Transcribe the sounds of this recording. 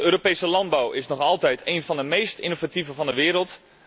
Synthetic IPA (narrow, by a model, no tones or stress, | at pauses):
øːɾopejsəlɑnd̚bawɪsnɔχɑlˠtɛjtʰeːnvɑndəmejstḭnovativəvɑndəʋɪːɾəlˠt